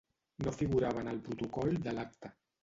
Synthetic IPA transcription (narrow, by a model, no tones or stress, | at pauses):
nofiɣuɾaβ̞ənəlˠpɾut̪ukɔld̪əlak̚t̪ə